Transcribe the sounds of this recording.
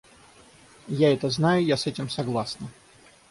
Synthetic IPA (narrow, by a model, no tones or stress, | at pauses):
jaɛt̪əznajʊjasɛtʲɪmsɐɡlˠasnə